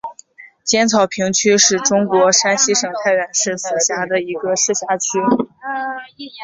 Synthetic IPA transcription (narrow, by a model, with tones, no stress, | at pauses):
t͡ɕjɛ˥nt͡sʰɑ˨˩ʊpʰi˧˥ŋt͡ɕʰy˥ʂɻ̩˥˩ʈ͡ʂʊ˥ŋkwɔ˧˥ʂa˥nɕi˥ʂɤ˨˩ŋt̪ʰa˥˩ɪɥɛ˨˩nʂɻ̩˥˩sɹ̩˨˩ɕja˧˥d̪ə˧i˧˥ɡə˧ʂɻ̩˥˩ɕja˧˥t͡ɕʰy˥